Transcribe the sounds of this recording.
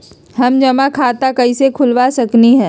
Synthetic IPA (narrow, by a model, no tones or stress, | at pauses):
ɦɐmd͡ʒɐmakʰaːt̪akɐisekʰʊlʋasɐkniɦɛ̃ː